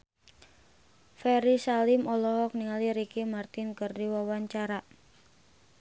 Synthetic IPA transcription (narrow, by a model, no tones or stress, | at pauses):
fɛɾisalɪmɔlɔɦɔk̚niŋaliɾikimart̪ɪnkərdiwawaɲt͡ʃaɾa